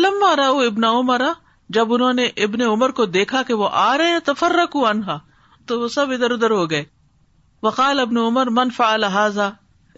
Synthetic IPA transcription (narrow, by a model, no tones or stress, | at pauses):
lɐmːaːɾɐuːɪbnaʊmɐɾa | d͡ʒɐbʊnɦõːneʔɪbneʊməɾkod̪eːkʰakeʋoʔaːɾɐɦeɛ̃t̪ɐfɐrːɐkuːɐnɦaː | t̪oʋoːsɐbɪd̪əɾʊd̪əɾɦoːɡɐeː | ʋɐqɑːlɪbnuʊməɾmɐnfaʕalaɦaːzaː